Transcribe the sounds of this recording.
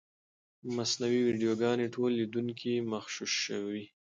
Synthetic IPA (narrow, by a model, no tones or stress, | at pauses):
masnawiwiɖijoɡɑneʈʰolːid̪uŋkʰimaxʃuʃəwi